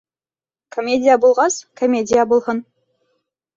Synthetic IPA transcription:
komʲedʲijabulˠʁɑskʰomʲedʲijabulˠʁɤ̆n

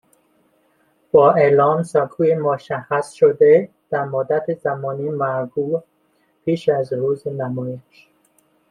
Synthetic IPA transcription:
b̥ɒːʔelɒːmsɒːkʰuːjemoʃæxæsʃod̪e | d̪̥æɾmod̪æt̪ʰezæmɒːniːmæɾɡuː | pʰiːʃæzɾuːzenæmɒːjeʃ

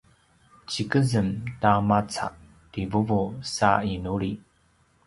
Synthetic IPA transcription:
t͡ɕikəzəmtamat͡sa̰ʔ | tivuvosa̰inuɾi

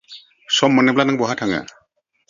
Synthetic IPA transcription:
sɔmːɔnɛblanaŋbɔɦatʰaŋa̰

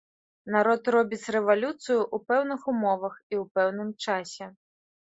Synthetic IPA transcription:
naɾɔd̪rɔbʲit̪t͡s̪ʲrɛʋɐlʲut̪sɨjʊʔupɛwnɪxʊmɔʋɐxiwpɛwn̪ɪmt͡ʃɑsʲɛ

